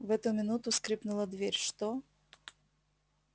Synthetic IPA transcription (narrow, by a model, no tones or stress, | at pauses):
vɛt̪ʊmʲɪnut̪ʊskɾʲipnʊlˠəd̪vʲeɾʲʂt̪o